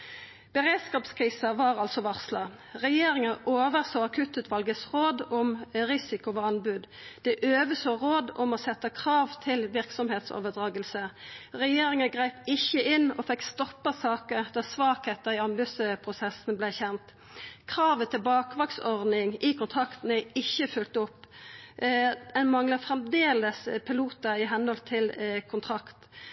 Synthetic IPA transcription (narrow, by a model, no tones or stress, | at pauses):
b̥əʁeːd̪skɑːpskʰʁiːsɑʋɑʁɑlsɔʋɑʁslɑ | ʁɛjeːʁɪŋəʔoːʋəʁsoːɑkʰʉt̪ʉːt̪ʰʋɑlɡəsʁoːd̪ʊmʁɪsɪkʊʋɑɑnbʉd̪ | d̪̥ɛʔøːʋəsoːʁoːd̪ɔmɔsɛt̪ːəkʰʁɑːʋt̪ʰɪlʋɪʁksɔmheːt̪so̰ːʋəd̪ʁɑːɡəlsəʁɛjeːʁɪŋəɡʁæɪpɪçəʔɪnːɔːfɛkst̪ɔpːəsɑːkəʁd̪̥æsʋɑːkheːt̪əɾɪɑnbʉsəpʰʁʊsɛsnblæçɛnt̪ | kʰʁɑːʋət̪ʰɪlbɑːkʋɑːksɔʁd̪nɪŋʔɪkʰʊnt̪ʰʁɑkt̪n̩æɪçːəfʏlt̪ʊpː | ɛnmɑŋləfʁɛmd̪eːləspʰɪluːt̪əɪɦɛnhɔlt̪ʰɪlkʰʊnt̪ʰʁɑkt̪